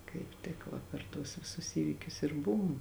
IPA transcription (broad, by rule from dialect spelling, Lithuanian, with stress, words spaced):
kɐɪp ˈtʲɪk ʋɐ pʲɛr ˈtuɔs ʋʲɪˈsʊs ˈiːʋʲiːkʲʊs ɪr ˈbʊʋʊm